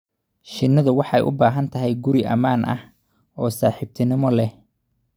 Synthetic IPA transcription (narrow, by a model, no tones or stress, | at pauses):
ʃɪnːɐðʊwɑħɑɛ̰jʔʊ̰baːɦɐnt̪ʰɐɦɛjɡʊɾɪʔɐ̰maːnʔɐ̰h | ɔːsaːħɪb̚t̪ʰɪnɪmɔlɛ